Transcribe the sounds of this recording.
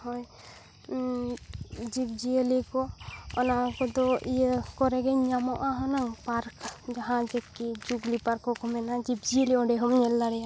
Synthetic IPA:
hɔj | d͡ʒib̚d͡ʒiəlikɔɔ̰nakɔd̪ɔijəkɔɾɛɡɛɲamɔʔaɦɔnaŋpaɾkd͡ʒaɦãd͡ʒɛkːid͡ʒuɡlipaɾkːɔkɔmɛnad͡ʒip̚d͡ʒijəliɔ̃ɖɛɦɔmɲɛlːaɾɛja

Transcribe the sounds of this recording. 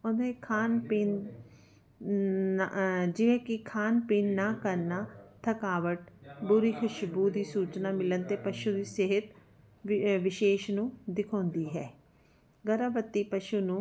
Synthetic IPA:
ʊnẽːkʰaːnpiːn | d͡ʒɪʋẽːkɪkʰaːnpiːnːaːkəɾnaːt̪ʰəkaːʋəʈbʊɾiːkʰʊʃbuːd̪iːsuːt͡ʃnaːmɪlənt̪eːpəʃuːd̪iːsɪɦɪt̪ | ʋɪʃeːʃnũːd̪ɪkʰɔ̃ːnd̪iːɦɛː | ɡəɾaːbət̪ːiːpəʃuːnũː

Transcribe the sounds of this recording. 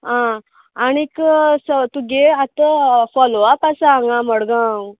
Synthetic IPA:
ã | añiksət̪uɡeat̪əfɔloapasaːŋɡãməɽɡã

